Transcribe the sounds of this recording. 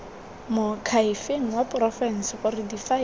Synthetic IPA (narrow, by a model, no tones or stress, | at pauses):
mʊkʰaifeŋ̩wapʼrɔfɛnsɪχʊrɪdifa